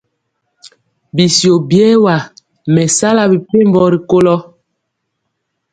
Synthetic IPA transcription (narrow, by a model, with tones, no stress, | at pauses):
bi˨sjo˨bjɛ˦wa˨ | mɛ˨sa˦la˦bi˨pe˦˨mbɔ˨ɾi˨ko˦lɔ˦